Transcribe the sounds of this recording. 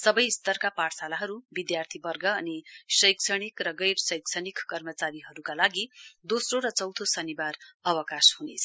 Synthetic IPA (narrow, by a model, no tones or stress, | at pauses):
sʌbʌjst̪ʌrkapaʈsalaɦʌɾubid̪jart̪ʰibʌrɡʌːnisʌjksʰʌɽ̃ikrʌɡʌjrsʌjksʰʌɽikkʌrmʌt͡saɾiɦʌɾukalaɡid̪osroɾʌt͡sʌwt̪ʰosʌnibarʌwʌkashunḛt͡sʰʌ̥